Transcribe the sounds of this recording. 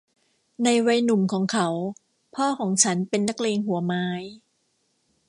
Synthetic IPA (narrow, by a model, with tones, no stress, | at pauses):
na˧jwa˧jnu˨˩mkʰɔː˩˦ŋkʰa˦˥w | pʰɔː˥˩kʰɔː˩˦ŋt͡ɕʰa˦˥npe˧nːa˦˥˩k̚leː˧ŋɦu˨˩˦maː˨˦˥j